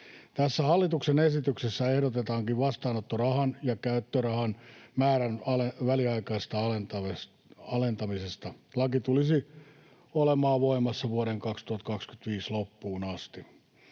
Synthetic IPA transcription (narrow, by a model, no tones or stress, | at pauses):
t̪æsːæhɑlːit̪uksenesit̪yksesːæehɾot̪et̪ɑːŋkiʋʋɑst̪ɑːnot̪ːorɑhɑnjɑkæyt̪ːørɑhɑnmæːɾænɑleʋæliɑikɑist̪ɑɑlent̪ɑʋes | ɑlent̪ɑmisest̪ɑlɑkit̪ulisi | olemɑːʋoimɑsːɑʋuoɾeŋkɑkst̪uhɑt̪kɑkskyt̪ʋiːslopːuːnɑst̪i